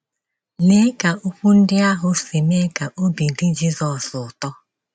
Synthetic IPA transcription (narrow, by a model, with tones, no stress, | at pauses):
ne˦ka˨ʔu˦kʷu˦n̩˦dɪ˦a˦ɦʊ˨si˨me˦ka˨ʔo˦bi˨dɪ˦d͡ʒi˦zɔ˨sʊ˨tɔ˦